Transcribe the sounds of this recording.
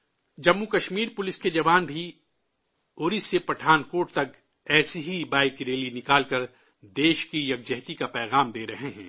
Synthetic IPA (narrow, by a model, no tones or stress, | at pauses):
d͡ʒɐmːukɐʃmiːɾpʊlɪsked͡ʒɐʋaːnbʱi | oːɾisepɐʈʰaːnkoːʈt̪ɐk | ɛːseɦibaːɪkɾeːlinɪkaːlkɐɾ | d̪eːʃkijɐɡ̚d͡ʒɛɦt̪ikapɛːɣaːmd̪eːɾɐɦeɦɛ̰̃ː